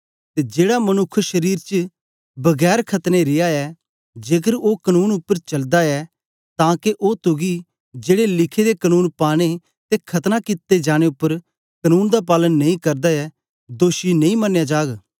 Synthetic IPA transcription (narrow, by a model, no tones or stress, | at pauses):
t̪eːd͡ʒeːɽamɐnʊkʰːʃɐɾiːɾt͡ʃ | bɐɡɛːɾkʰɐt̪neɾɪjaɛ | d͡ʒeːkəɾoːkənuːnʊpːəɾt͡ʃɐld̪aɛ | t̪ãːkeʔot̪ʊɡi | d͡ʒeːɽelɪkʰed̪ekənuːnpaːɽ̃e | t̪ekʰɐt̪nakɪt̪ːed͡ʒaːɽ̃eʊpːəɾ | kɐnuːnd̪ap̬aːlənːɐĩkɐɾd̪aɛ | d̪oːʃinɐ̃ĩmɐnjad͡ʒaːɡ